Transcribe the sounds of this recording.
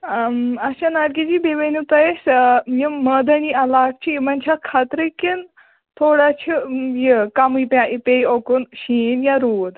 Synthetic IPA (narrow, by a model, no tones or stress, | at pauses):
aɕanaɾkid͡ʑibeʋenut̪ajesjiməd̪aniɐlaʈ̚t͡ɕʰimɐnt͡ɕʰakʰat̪ɾikin | t̪ʰoɽat͡ɕʰijikamuipaʔipejokunɕinjaɾuːd̪